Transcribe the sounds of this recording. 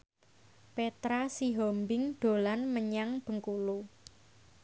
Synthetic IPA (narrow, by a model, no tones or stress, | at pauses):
pet̪ɾasiɦɔmbɪŋd̪̥o̤lanməɲaŋb̥əŋkulu